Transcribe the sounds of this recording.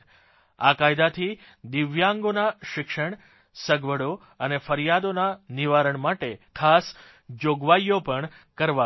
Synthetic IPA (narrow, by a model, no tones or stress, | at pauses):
a̰kajd̪at̪ʰi | d̪ɪʋjãŋɡonaʃɪkʃəɳ | səɡʋəɽo | ənefəɾjad̪onaniʋaɾəɳmaʈekʰas | d͡ʒoɡʋajopəɳ | kəɾʋa